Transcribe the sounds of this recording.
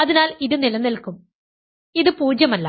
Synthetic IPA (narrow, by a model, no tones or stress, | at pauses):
ɐðinaːliðɨnilɐnːilkum | iðɨpuːd͡ʑjɐmɐlːɐ̰